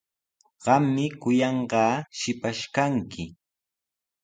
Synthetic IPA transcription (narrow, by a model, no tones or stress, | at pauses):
ɢ̥ɑmːɪkʊjɑɴɢɑːʃɪpaʃkaŋkɪ